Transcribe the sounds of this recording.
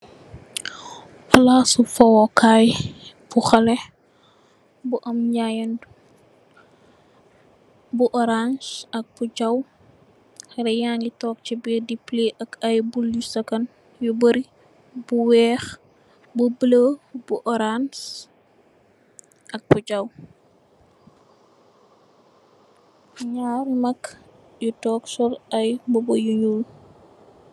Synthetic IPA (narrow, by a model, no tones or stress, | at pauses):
flasufɔwɔkajbuxɐlɛ | buʔɐmɲajɐn | buʔɔɾand͡ʒɐk̚pud͡ʒɐw | xɐɾɛjaːŋɡitɔːk̚t͡ʃibidipleʔɐkɐjbulusɐkɐn | jubəɾi | buwɛːx | bubələbuʔɔɾans | ʔɐk̚bud͡ʒɐw | ɲaːɾmɐk | jutɔːksɔɾɐjbɔbɐjuɲul